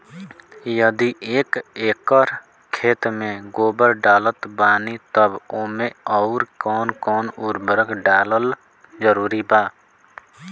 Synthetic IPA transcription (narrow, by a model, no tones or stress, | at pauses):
jəd̪iʔeːkeːkəɾ | kʰeːt̪mẽɡoːbəɾɖaːlət̪baːnit̪əboːmẽɔːɾkɔːnkɔːnuːɾbəɾəɡɖaːləl | d͡ʒəɾuːɾibaː